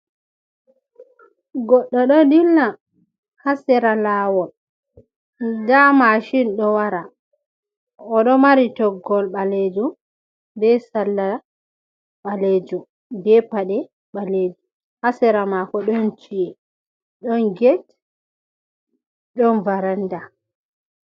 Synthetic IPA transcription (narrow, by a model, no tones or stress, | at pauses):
ɡɔɗːɔɗɔdilna | hasɛɾalawɔl | d͡ʒamaʃinɗɔwaɾa | ɔɗɔmaɾitɔɡɔlɓaled͡ʒum | bɛsalːa | ɓaled͡ʒum | bɛpaɗɛ | ɓaled͡ʒu | hasɛɾamakɔɗɔnt͡ʃijɛ | ɗɔnɡɛt | ɗɔnvaɾanda